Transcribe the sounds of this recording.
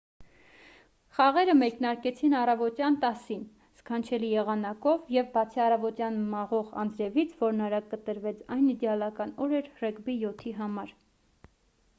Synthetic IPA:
χɑʁɛɾəmɛknɑɾkɛt͡sʰinɑrɑvɔt̪jɑnt̪ɑsin | skʰɑnt͡ʃʰɛlijɛʁɑnɑkɔvjɛvbɑt͡sʰiɑrɑvɔt̪jɑnmɑʁɔʁɑ̰nd͡zɾɛvit͡sʰvɔɾnɑɾɑkkət̪əɾvɛt͡sʰɑjnid̪ɛɑlɑkɑnɔɾɛɾrɛkbijɔt̪ʰiɦɑmɑɾ

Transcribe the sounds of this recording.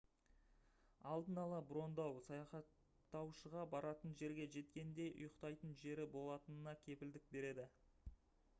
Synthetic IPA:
ɑlˠd̪ənɑlˠɑbɾo̞nd̪ɑwsɑjɑχɑt̪ː | ɑwʃəʁɑbɑɾɑt̪ənʒe̞ɾɡʲe̞ʒe̞t̪kʲe̞nd̪e̞jʔʊ̰jəqt̪ɑjt̪ənʒe̞ɾɪbo̞lˠɑt̪ənənɑkʲʰe̞pɪld̪ɪk̚be̞ɾe̞d̪ɪ

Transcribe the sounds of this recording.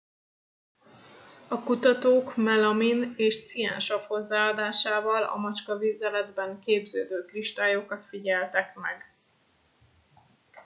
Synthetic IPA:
ɒkut̪ɒt̪oːkmɛlɒmineːʃt̪sija̰ːnʃɒpho̞zːaːɒd̪aːʃaːvɒlɒ̰mɒt͡ʃkɒviːzɛlɛd̪bɛŋkeːbzøːd̪øːkriʃt̪aːjokɒt̪fiɟɛlt̪ɛkmɛ̰ɡ

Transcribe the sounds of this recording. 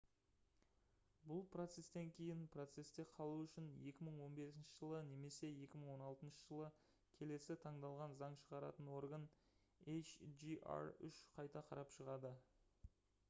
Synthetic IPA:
bʊlˠpro̞t̪se̞st̪eŋkʲʰe̞jɪnpʰro̞t̪se̞st̪e̞qʰɑlˠuʏʃɪnje̞kʲɪməɴwo̞nbe̞sɪnʃəʒəlˠəne̞me̞se̞je̞kʲɪməɴwo̞nɑlˠt̪ənʃəʒəlˠə | kʲʰe̞le̞sɪt̪ʰɑɴd̪ɑlˠʁɑnzɑɴʃəʁɑɾɑ̰t̪ənwo̞ɾɡən | ejt͡ʃʒiʔa̰ɾʏ̰ʃqʰɑjt̪ɑqʰɑɾɑpʃəʁɑd̪ə

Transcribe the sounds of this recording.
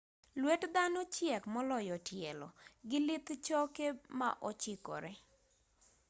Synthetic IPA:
lwetd̪anot͡ʃjɛkmɔlɔjɔtjɛlɔ̰ɡɪlɪt̪t͡ʃɔkema̰ʔot͡ʃɪkɔ̰ɾɛ

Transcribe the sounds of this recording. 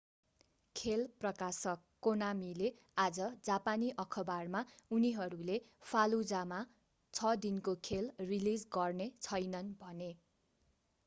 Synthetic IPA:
kʰelprʌkasʌkːonamile | ad͡zʌd͡zapaniʔʌkʰʌbarmauniɦʌɾule | pʰalud͡zama | t͡sʰʌd̪inkokʰelrilid͡zɡʌrnet͡sʰʌjnʌnbʱʌne

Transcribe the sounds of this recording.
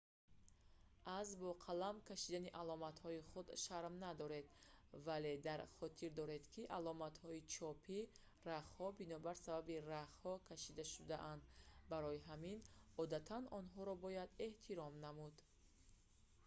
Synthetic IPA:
ʔazbɔqʰalamkʰaʃid̪aniʔalɔmat̪hɔiχud̪ʃaɾmnad̪ɔɾe̞d̪vale̞d̪aɾχɔt̪ʰiɾd̪ɔɾe̞d̪kʰiʔalɔmat̪hɔit͡ʃʰɔpʰi | raχhɔbinɔbaɾsababiɾaχhɔkʰaʃid̪aʃud̪aʔand̪baɾɔiɦaminɔd̪at̪ʰanɔnɦɔɾɔbɔjad̪e̞ht̪ʰiɾɔmnamud̪

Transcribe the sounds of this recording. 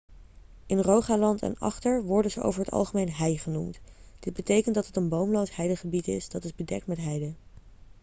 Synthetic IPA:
ɪnrowχaːlɑntʰɛ̰nɑ̰χtəɹʋɔɹdənzəʔo̰wvəɹɦətɑ̰lˠχəmejnɦɛjχənumtd̥ɪd̚bətejkəntdɑtətənbowmlowsɦɛjdəχəbitɪ̰sdɑtɪzbədɛ̰k̚tmɛtɦɛjdə

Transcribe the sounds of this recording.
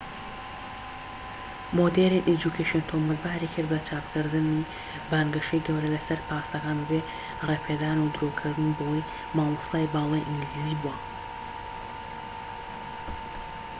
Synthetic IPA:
mod̪eɾinʔed͡ʒukʰeʃont̪ʰomɨlbaːɾikʰɨɾbɐt͡ʃaːpkʰɨɾd̪ɨni | baːŋɡɐʃejɡɐwɾɐlɐsɐɾpaːsɐkaːnbe | reːpʰeːd̪aːnud̪ɨɾoːkʰɨɾd̪ɨnibɐwoj | maːlɨst̪aːjbaːlˠaːjʔiŋɡliziːbuɐ

